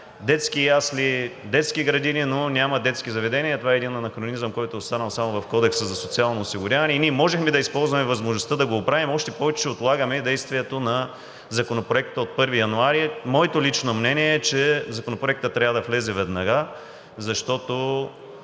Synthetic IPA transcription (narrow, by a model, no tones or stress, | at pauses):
d̪ɛt̪skijaslid̪ɛt̪skiɡɾɐd̪ininonʲamɐd̪ɛt̪skizɐvɛd̪ɛniɐt̪ovaɛɛd̪inɐnɐxɾonizəmkɔjt̪oːst̪anəlˠsamovɐfkɔd̪ɛksəzɐsot̪sialˠnoːsiɡʊɾʲavɐnɛiniɛmɔʒɛxmid̪ɐispɔlˠzvɐmɛvɐzmoʒnost̪ad̪ɐɡoːpɾavimɔʃt̪ɛpɔvɛt͡ʃɛot̪lˠaɡɐmɛd̪ɛjst̪viɛt̪onɐ | zɐkonopɾoɛkt̪əot̪̚pɤɾvijɐnuaɾimɔɛt̪olit͡ʃnomnɛniɛɛt͡ʃɛzɐkonopɾoɛk̚t̪ət̪ːɾʲavəd̪ɐflɛzɛvɛd̪nɐɡa | zɐʃt̪ɔt̪o